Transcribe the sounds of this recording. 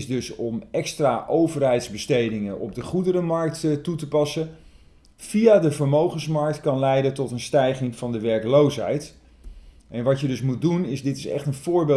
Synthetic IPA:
sdɵsɔmɛkstraːʔowvərɦɛjtzbəstejdɪŋəʔɔ̰b̚dəχudərəmɑɹk̚ttutəpɑsə | v̥ijaːdəvəɹmowχənsmɑɹk̚tkɑnlɛjdəntɔtənstɛjχɪŋvɑndəʋɛɹklowsɦɛ̰jt | ʔɛnʋɑcjədɵsmut̚dunɪzdɪtɪ̥sɛ̰χtənv̥ʊːɹbe

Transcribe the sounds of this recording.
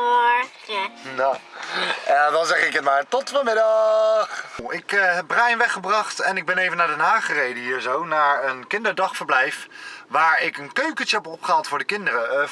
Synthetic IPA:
ədɑnzɛχɪkətmaːɹtɔtfəmɪdɑχɪkɦɛb̚brajnʋɛχəbrɑχtɛnɪɡ̚bɛnejvənaːdɛnɦaːχərejdəɦiːɹzownaːɹənkɪndəɹdɑχfəɹblɛjfʋaːɹɪkənkøɥkətəɦɛpɔpχəɦatfʊːɹdəkɪndərə

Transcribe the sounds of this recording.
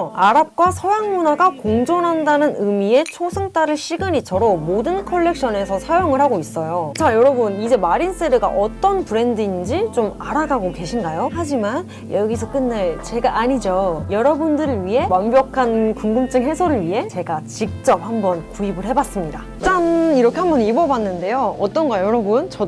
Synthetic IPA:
aɾap̚kwasʰʌjaŋmunaɡakoŋd͡ʑonɦandanɯnɯmie̞t͡ɕʰosʰɯŋt͈aɾɯɭɕʰiɡɯɲit͡ɕʌɾomodɯnkʰʌɭːe̞k̚ɕ͈ʌne̞sʰʌsʰajoŋɯɭhaɡois͈ʌjot͡ɕajʌɾʌbunid͡ʑe̞maɾins͈eɾɯɡa̰ʔʌt͈ʌnpuɾe̞ndɯind͡ʑit͡ɕomaɾaɡaɡoke̞ɕʰinɡajohad͡ʑiman | jʌɡisʰʌk͈ɯnːaɭt͡ɕe̞ɡaʔaɲid͡ʑojʌɾʌbundɯɾɯɭɥiɦe̞mʌmbjʌkʰankuŋɡɯmt͡ɕ͈ɯŋɦe̞sʰʌɾɯɭɥiɦe̞t͡ɕe̞ɡat͡ɕik̚t͡ɕ͈ʌp̚hambʌnkuibɯɭhe̞bas͈ɯmɲida | t͡ɕ͈aniɾʌkʰe̞ɦambʌnibʌbanːɯnde̞joʌt͈ʌnɡʌjʌɾʌbunt͡ɕʌ

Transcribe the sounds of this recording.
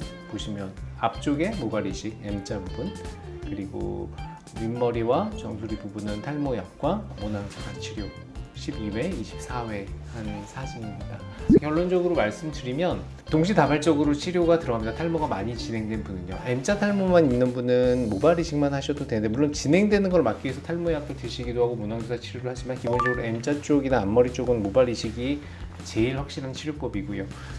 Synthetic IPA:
poɕʰimjʌnap̚t͡ɕ͈oɡe̞mobaɾiɕʰik̚e̞mt͡ɕ͈ʰabubunkɯɾiɡo̰ | jimːʌɾiwat͡ɕʌŋsʰoɾipubunɯntʰaɭmojap̚k͈wamonaŋɕʰiɡat͡ɕʰiɾjo | ɕʰibiwe̞iɕʰi̥p̚s͈ʰawe̞hansʰad͡ʑinimɲida | kjʌɭːond͡ʑʌɡɯɾomaɭs͈ɯmdɯɾimjʌn | toŋɕ̬ʰitabaɭt͡ɕ͈ʌɡɯɾot͡ɕʰiɾjoɡatɯɾʌɦamɲid̥atʰaɭmoɡamaɲit͡ɕinɦe̞ŋdwe̞nbunɯɲo̰ʔe̞mt͡ɕ͈ʰatʰaɭmomaninnːɯnbunɯnmobaɾiɕʰik̚manhaɕʰʌdodwend̪e̞muɭːont͡ɕinɦe̞ŋdwe̞nɯnɡʌɭmak̚k͈iesʰʌtʰaɭmoeak͈ʰɯɭteɕʰiɡidoɦaɡomunaŋsesʰat͡ɕʰiɾjoɾɯɭhad͡ʑimankibond͡ʑʌɡɯɾoe̞mt͡ɕ͈at͡ɕ͈oɡinaːmːʌɾit͡ɕ͈oɡɯnnmobaɾiɕʰiɡi | t͡ɕe̞iɭɸwak̚ɕ͈iɾɦant͡ɕʰiɾjop͈ʌbiɡujo

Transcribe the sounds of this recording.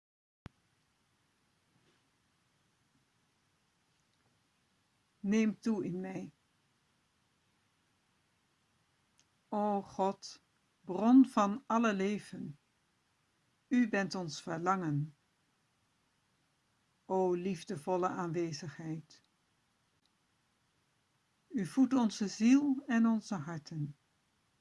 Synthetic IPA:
neːmtuɪnmɛj | oːwχɔt | brɔnvɑnɑləleːvən | ybɛntɔnsfəɹlɑŋən | oːlivdəvɔləaːnʋeːzəχɦɛjt | yvutɔnzəzilˠɛnɔnzəɦɑɹtʰən

